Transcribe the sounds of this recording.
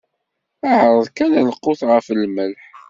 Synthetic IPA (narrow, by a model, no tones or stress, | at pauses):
æʕɾˤəðˤkænænəqːoθʁəfəlməlħ